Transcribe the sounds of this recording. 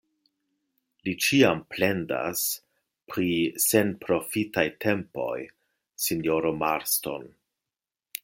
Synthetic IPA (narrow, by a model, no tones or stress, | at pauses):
lit͡ʃiample̞nda̰s | pɾisenpɾo̞fitajtʰe̞mpo̞̰j | sinjoɾomaɾsto̞̰n